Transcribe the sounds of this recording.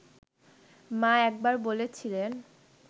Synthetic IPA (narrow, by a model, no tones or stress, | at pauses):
maɛk̚baɾbolet͡ɕʰilen